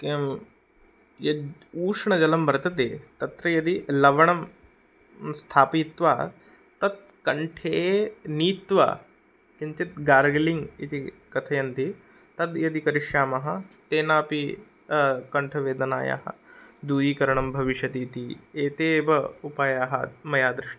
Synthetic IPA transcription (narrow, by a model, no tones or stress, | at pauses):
jɐd̪uːʂɳɐd͡ʒɐlɐmbɐɾɐt̪ɐt̪eːt̪ɐt̪ɾɐjɐd̪ilɐʋɐɳɐm | st̪ʰaːpit̪ʋaː | t̪ɐt̪̚ | kɐɳʈʰeːniːt̪ʋa̰ː | kint͡ʃ̪it̪ɡaːɾɡliŋɡit̪i | kɐt̪ʰɐjɐnt̪i | t̪ɐd̪jɐd̪ikɐɾiʃjaːmɐɦɐ̆t̪eːnaːpi | kɐɳʈʰɐʋeːd̪ɐna̰ːja̰ːɦɐ̰d̪uːjiːkɐɾɐɳɐmbʱɐʋiʃjɐt̪iːt̪ieːt̪eːʋɐupaːjaːɦɐ̰mɐjaːd̪ɾɪʂʈɐ